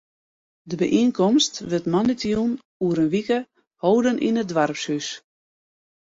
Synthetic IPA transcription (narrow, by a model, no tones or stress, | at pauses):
dəbəʔinkɔmstʋətmɔnitijun | uəɾənʋikə | hoːdənʔḭnədʋarpshys